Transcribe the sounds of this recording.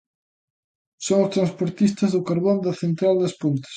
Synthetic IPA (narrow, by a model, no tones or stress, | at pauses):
soŋʊst̪ɾanspoɾt̪ist̪ɐzðʊkaɾβond̪ɐθent̪ɾald̪ɐspunt̪ɐ̥s